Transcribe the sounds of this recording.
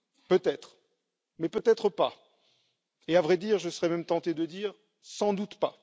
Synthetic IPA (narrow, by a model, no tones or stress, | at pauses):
pøt̪ɛt̪χ | mɛpøt̪ɛt̪χəpa | eavʁɛd̪iːʁʒəsəʁɛmɛmt̪ɑ̃t̪ed̪əd̪iːʁ | sɑ̃d̪ut̪pa